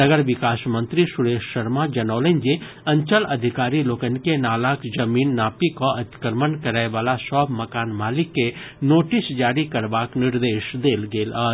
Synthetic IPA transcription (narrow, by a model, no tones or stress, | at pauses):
ɐɡəɾʋɪkaːsmə̃nt̪ɾisʊɾeːʃːɐɾmad͡ʒɐnɔːlənd͡ʒe | ɐ̃ɲt͡ʃəlɐd̪ʱɪkaːɾiloːkənkenaːlaːkd͡ʒɐmiːnːaːpikoɐt̪kəɾmənkɐɾaːeʋaːlasɔːbmɐkaːnmaːlɪkːe | noːʈɪsd͡ʒaːɾikɐɾbaːknɪɾd̪eːʃd̪eːlɡeːla